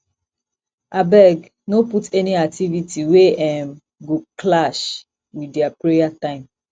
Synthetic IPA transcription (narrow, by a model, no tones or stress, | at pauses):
ʔabɛɡ | noputʰɛniak̚tʰivitiweɛ̃m | ɡokʰlaʃ | widɛapɹejatãɪ̃m